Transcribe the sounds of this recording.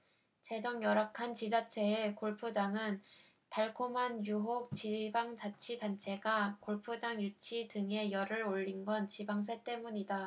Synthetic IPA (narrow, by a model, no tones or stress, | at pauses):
t͡ɕe̞d͡ʑʌŋjʌɾakʰant͡ɕid͡ʑat͡ɕʰe̞ːkoɭpʰud͡ʑaŋɯn | taɭkʰomanjuɦok̚t͡ɕibaŋt͡ɕat͡ɕʰidant͡ɕʰe̞ɡakoɭpʰud͡ʑaŋjut͡ɕʰidɯŋe̞jʌɾɯɾoʎːinɡwʌnt͡ɕibaŋs̬ʰe̞t͈e̞muɲida